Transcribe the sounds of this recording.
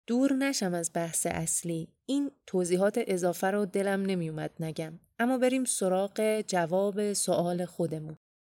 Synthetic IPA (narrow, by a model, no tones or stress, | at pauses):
d̪̥uːɾnæʃæmæzbæhsḛʔæsliː | iːnt̪ʰoːziːɦɒːt̪ʰeʔe̞zɒːfæɾɔd̪e̞læmne̞mijomæd̪̥næɟæmʔæmːɒːbe̞ɾiːmso̞ɾɒːɢe̞d͡ʒævɒːbe̞soʔɒːle̞xo̞d̪e̞mun